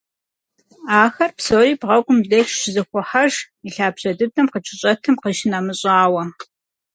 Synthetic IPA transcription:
aːxɐrpsoːriːbʁɐɡʷʼʊmdɐtʃzɨxʷɔħɐʒ | iɬaːbɕɐdɨtʰɐmqət͡ʃʼɪɕʼɐtʰɨmqəʃɪnamɨɕʼaːwɐ

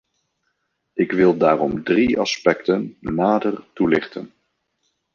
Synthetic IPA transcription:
ɪkʋɪlˠdaːrɔmdriɑ̰spɛktənːaːdərtulɪχtə̰n

